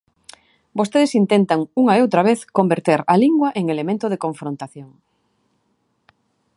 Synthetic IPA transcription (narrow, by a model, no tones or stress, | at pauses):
bost̪eðesint̪ent̪aŋuŋaeowt̪ɾaβ̞eθkombeɾt̪eɾaliŋɡwaʔeŋelemẽnt̪oðekoɱfɾont̪aθjoŋ